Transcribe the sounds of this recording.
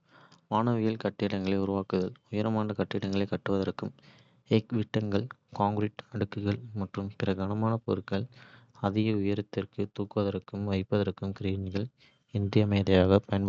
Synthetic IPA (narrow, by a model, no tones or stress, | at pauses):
ʋaːnɐʋɪjɐlkɐʈːɪɽɐŋɡɐɭɐɪʊɾʊʋaːkɯðɐlʊjɐɾɐmaːnɐkɐʈːɪɽɐŋɡɐɭɐɪkːɐʈːɯʋɐðɐɾɯkːɯm | eːkʋɪʈːɐŋɡɐɭkaːŋɡɾɪʈɐɽɯkːɯɣɐɭmɐʈrɯmpɪrɐɡɐnɐmaːnɐpoɾɯkɐɭ | ɐðɪɣɐʊjɐɾɯt̪ːɪrkɯt̪uːkːɯʋɐðɐɾɯkːɯmʋɐɪpːɐðɐɾɯkːɯmkɪɾiːnɣɐɭ | ɪndrɪɐmɐɪjðɐjaːɣɐpɐjɐn